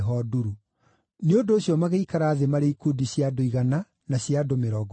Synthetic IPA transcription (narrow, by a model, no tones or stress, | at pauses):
ɦɔduɾu | neodoːɕjɔmaɣeikaɾaːðemaɾeikudiɕjadoiɣana | naɕjadomeɾɔːɡ